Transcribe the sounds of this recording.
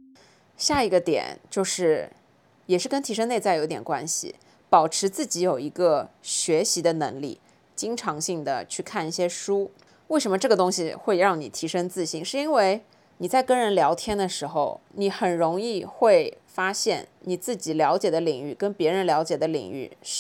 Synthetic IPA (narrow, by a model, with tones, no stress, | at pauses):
ɕja˥˩i˧˥ɡə˧t̪jɛ̰˨˩˦nt͡ɕjo˥˧ʊʂɻ̩˥˩ | jɛ˨˩ʂɻ̩˥˩kə˥nt̪ʰi˧˥ʂ̬ɤ˥ŋne˥˧ɪt͡sa˥˩ɪjo˧˥ʊt̪jɛ˨˩nkwa̰˥nɕḭ˨˩ | pɑ˨˩ʊʈ͡ʂʰɻ̩˧˥t͡sɹ̩˥˩t͡ɕi˧˥jo˨˩ʊi˧˥ɡə˧ɕɥɛ˧˥ɕi˧˥d̪ə˧nɤ̰˧˥ŋlḭ˥˩ | t͡ɕi˥ŋʈ͡ʂʰɑ˧˥ŋɕi˥˩ŋd̪ə̰˩t͡ɕʰy˥˧kʰa˥˧ni˥˩ɕjɛ˥ʂu˥ | we˥˩ɪʂə˧˥mə˧ʈ͡ʂɤ˥˩ɡə˩t̪ʊ˥ŋɕi˨xwe˥˧ɪɻɑ˥˩ŋnḭ˨˩t̪ʰi˧˥ʂɤ˥ŋt͡sɹ̩˥˩ɕi˥˩ŋʂɻ̩˥˩i˥nwe˥˩ɪ | ni˨˩t͡sa˥˩ɪkɤ˥ŋɻə˧˥nljɑ˧˥ʊt̪ʰjɛ˥nd̪ə˨ʂɻ̩˧˥xo˧ʊni˧˥xə˨˩nɻʊ˧˥ŋi˥˧xwe˥˩ɪ | fa˥ɕjɛ˥˩nni˨˩t͡sɹ̩˥˩t͡ɕi˨˩ljɑ˧˥ʊt͡ɕjɛ˨˩d̪ə˦li˨˩ŋy˥˩kə˥npjɛ˧˥ɻə˧˥nljɑ˧˥ʊt͡ɕjɛ˨˩d̪ə˦lḭ˨˩ŋy̰˥˩˥